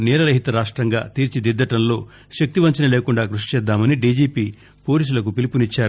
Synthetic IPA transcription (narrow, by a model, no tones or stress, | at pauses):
nɛːɾɐlɐɦit̪ɐɾaːʂʈɾɐŋɡa̰ːt̪iːɾt͡ʃid̪id̪ːɐʈɐnlo̞ː | ʃɐk̚t̪iʋɐɲt͡ʃɐnɐle̞ːkuɳɖaːɡɾuʂi̥t͡ʃɛːd̪ːaːmɐniɖiːd͡ʒiːpiː | po̞ːliːs̬ulɐkupilipunit͡ʃːaːɾu